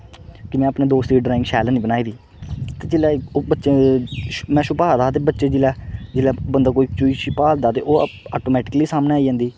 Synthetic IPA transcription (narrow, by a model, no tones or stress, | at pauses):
kɪmɛ̃ːəpneːd̪oːst̪iːɖɾaːɪ̃ŋɡʃɛːləːniːbənaːiːd̪iː | t̪eːd͡ʒɪlaːbətːʃeː | mɛ̃ːʃʊpaːd̪aːt̪̬eːbətːʃeːd͡ʒɪlaːd͡ʒɪlaːbənd̪aːkoːiːt͡ʃuːiːʃipaːld̪aːt̪ḛːʔoːaːʈoːmɛːʈɪ̥kəliːsaːmneːaːid͡ʒãːnd̪iː